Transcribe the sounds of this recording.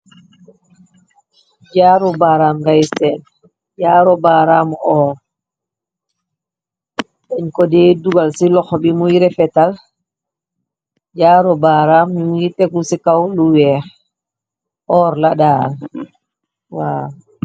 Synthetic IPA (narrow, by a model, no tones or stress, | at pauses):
d͡ʒaɾɔbaɾamɡajsɛn | d͡ʒaːɾɔbaɾamɔːɾ | ɗɛɲkɔdɛduɡalsilɔxɔbimujiɾɛfɛtal | d͡ʒaːɾɔbaɾamɲumitɛkusikawluwɛɾ | ʔɔːɾlaɗaːl | wa